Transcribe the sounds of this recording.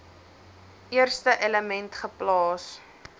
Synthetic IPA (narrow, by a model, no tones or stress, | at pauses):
ʔiərstəʔɛləmɛntχəplɑːs